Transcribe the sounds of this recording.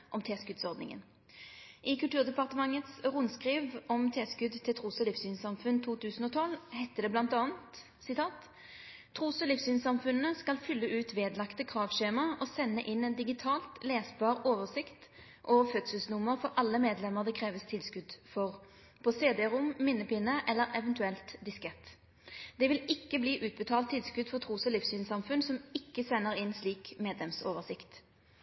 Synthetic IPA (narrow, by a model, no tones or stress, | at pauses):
ʔɔmt̪ʰeːskʉd̪sɔʁd̪nɪ̰ŋə̰n | ʔɪkʉlt̪ʉːʁd̪ɛpɑʁt̪əmɑŋːət̪sʁʊnskʁiːʋʔɔmt̪ʰeːskʉd̪t̪ʰɛt̪ʰʁuːsɔlɪfsyːnsɑmfʉnt̪ʰuːt̪ʰʉːsən̩ɔt̪ʰɔlhɛɪt̪ːəd̪ɛblɑnt̪ɑːənt̪ | sɪt̪ʰɑːt̪ʰː | ʁuːsɔlifsyːnsɑmfʉnːəskɑlfʏlːəʔʉːt̪ʋeːd̪lɑkt̪əkʰʁɑːʋʃeːmɑɔsɛnːəʔɪnːɛnd̪ɪɡɪt̪ʰɑːlt̪leːsbɑːʁoːʋəsɪkt̪ | ʔoːʋəfœt̪səlsnʊmːəʁfɔʁʔɑlːəmeːd̪lɛmːəʁd̪ɛkʰʁeːʋəst̪ʰɪlskʉd̪fɔʁ | pʰɔseːd̪ɛːʁʊmːɪnːəpɪnːəʔɛlːəʁɛʋənt̪ʉɛlt̪d̪ɪskɛt̪ː | d̪̥ɛʋɪlɪkːəbliːʔʉːt̪̚bət̪ʰɑːlt̪ʰːɪlskʉd̪fɔʁt̪ʰʁuːsɔlɪfsyːnsɑmfʉnsɔmɪkːəsɛnːəʁɪnsliːkmeːd̪lɛmsoːʋəʁsɪkt̪